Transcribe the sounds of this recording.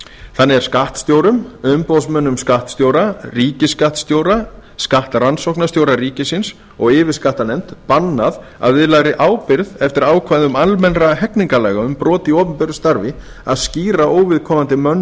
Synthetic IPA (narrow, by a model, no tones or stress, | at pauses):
θanːɪɛɾ̥skaht̪st̪joːwɾʏmʏmpowsmœnːʏmskaht̪st̪joːwɾariːcɪskaht̪st̪jowɾaskaht̪aɾansowhknast̪jowɾaɾiːcɪsɪns | ɔɣɪːvɪɾskaht̪anɛm̥t̪panːað | a̰ððɪlaɣɾɪʔaːwpɪɾðɛft̪ɪɾaːwkʰvaðʏmalmɛnɾaɦɛkniŋkalɛːɣaʏmpɾɔːt̪iɔːpʏmpɛɾʏst̪aɾvɪ | a̰ðsciːɾaʔoːwvɪðkʰɔːmant̪ɪmœn